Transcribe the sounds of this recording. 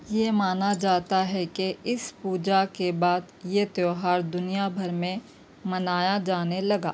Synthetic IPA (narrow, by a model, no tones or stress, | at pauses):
jemaːnad͡ʒaːt̪aɦɛkeɪspuːd͡ʒakebaːd̪jet̪joːɦaːɾd̪ʊnijabʱɐɾmẽ | mɐnaːjad͡ʒaːnelɐɡa̰ː